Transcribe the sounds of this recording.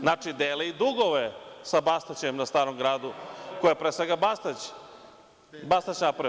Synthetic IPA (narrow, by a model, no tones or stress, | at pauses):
nat͡ʃid̪eːleid̪uɡoʋesabast̪at͡ɕemnast̪aːɾomɡɾaːd̪ukojepɾeːsʋeɡabast̪at͡ɕ | bast̪at͡ɕnap